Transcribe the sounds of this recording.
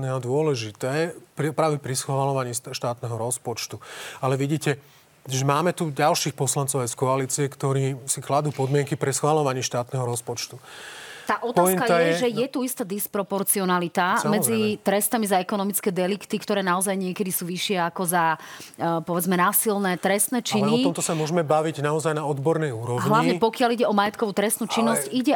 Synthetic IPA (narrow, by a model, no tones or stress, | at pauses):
nɛad̪ʊɔlɛʒit̪ɛːpɾipɾaːʋɛpɾisxʋʋalɔʋaɲiːʃt̪aːt̪nɛɦɔɾɔspɔt͡ʃt̪ualɛʋiɟiːcɛ | ʒɛmaːmɛt̪uɟalʃiːxpɔslant͡sɔʊajskɔaliːt͡siɛkt̪ɔɾiːsiklad̪uːpɔd̪mɪɛŋkipɾisxʋalɔʋaɲiʃt̪aːt̪nɛɦɔɾɔspɔt͡ʃt̪ut̪aːʔɔt̪aɔikaj̪ajɛɛɛʒɛjɛt̪uist̪ad̪ispɾɔpɔɾt͡siɔnalit̪amɛd͡zit̪ɾɛst̪amizaɛkɔnɔmit͡skɛːd̪ɛlikt̪ikt̪ɔɾɛːnaɔzajɲɪɛkɛd̪isuːʋiʃɪɛakɔza | pɔʋɛd͡zmɛnaːsilnɛt̪ɾɛst̪nɛt͡ʃiɛniɔɔmt̪ɔsamʊɔʒɛmɛbaʋiɟnaɔzajnaɔd̪bɔɾnɛjuːɾɔɦlaʋɲɛpɔkɪaliɟɛɔmajɛt̪kɔʋuːt̪ɾɛst̪nuːt͡ʃinːɔsciɟɛ